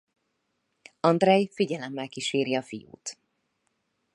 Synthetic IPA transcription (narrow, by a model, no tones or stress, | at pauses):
ɒnd̪rɛjfiɟɛlɛmːɛlkiʃeːɾiɒfijṵːt̪